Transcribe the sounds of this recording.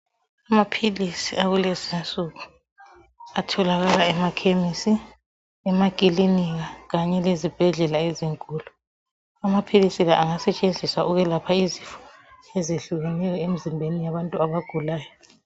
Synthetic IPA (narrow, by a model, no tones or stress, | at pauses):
amapʰilisiaɣulezinsʼuɣu | atʰɔlaɣalaɛmakʰemisi | ɛmaɡ̥ʱiliniɣaɣaɲɛlezib̥ʱɛɮɛlaeziŋkʼuːlu | amapʰilisilaʔaŋasɛt͡ʃʼend͡zʱisaʔuɣɛlapʰaizifɔ̥ɛzeɬuɣɛnɛjɔemizimbʱenijaβantʼuaβaɡ̥ʱulaːjɔ